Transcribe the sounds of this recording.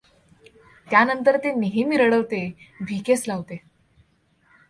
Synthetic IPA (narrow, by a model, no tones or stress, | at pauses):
t̪janənt̪əɾt̪eniɦimiɾəɽəʋt̪ebʱikeslaʋt̪e